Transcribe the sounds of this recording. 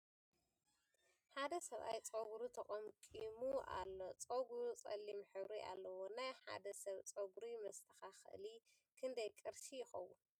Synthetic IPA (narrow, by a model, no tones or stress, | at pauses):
ħad̪ɐsɐβʔa̰jt͡sʼoɡuɾut̪ʰɐχʼɐmkʼimuʔa̰lːo̞t͡sʼoɡuɾut͡sʼɐ̰lːimħɨβɾiʔa̰lːɐwonajħa̰d̪ɐsɐβt͡sʼoɡuɾimɐst̪ʰɐ̥xaxɨ̰ʔɨli | kʰɨnd̪ɐjkʼɨɾʃijɪxɐ̰wːu